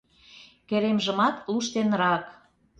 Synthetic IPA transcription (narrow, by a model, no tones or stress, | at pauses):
keɾemʒə̆mɑt̪luʃt̪enɾɑk